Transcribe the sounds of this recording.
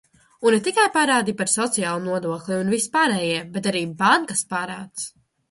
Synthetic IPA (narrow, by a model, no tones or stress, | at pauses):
unet̪ikajpaɾaːd̪ipaɾsɔt̪sijaːlˠunuɔd̪uɔklʲˠiunvispaːɾɛːjiɛbɛt̪aɾiːbaŋkaspaːɾaːt̪s